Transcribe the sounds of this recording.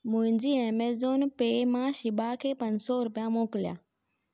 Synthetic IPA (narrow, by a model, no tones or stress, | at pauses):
mʊ̃ɦɪ̃ɲd͡ʑiːeːmeːzoːnpeːmãʃɪbakʰeːpɐ̃ɲd͡ʑsɔɾʊpijãmoːkɪlija̰ː